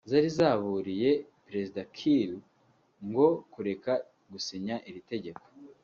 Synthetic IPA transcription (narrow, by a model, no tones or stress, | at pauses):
zaɾizaːβuːɾije̞ | pɾe̞zidakʰiɾu | ŋɡo̞kuɾe̞ka | ɡusiɲaʔiɾite̞ɟe̞ko̥